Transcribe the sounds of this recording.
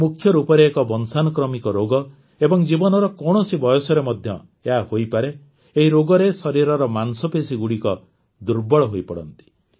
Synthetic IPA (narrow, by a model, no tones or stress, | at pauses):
mukʰːjɔɾupɔɾeːkɔbɔnsanɔkɾɔmikɔɾoɡɔ | ebɔŋd͡ʒibɔnɔɾɔkɔɳ̃ɔsibɔjɔsɔɾemɔd̪ʱjɔ̰ | eɦahojpaɾeː | ɦiɾoɡɔɾesɔɾiɾɔɾɔmansɔpesiɡuɽikɔ | d̪uɾbɔɭɔɦojpɔɽɔ̰nt̪i̥